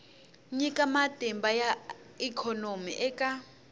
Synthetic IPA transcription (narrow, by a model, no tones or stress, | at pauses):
ɲikʼamad̥ʱɛmbaja | ikʰɔnomiʔɛkʼa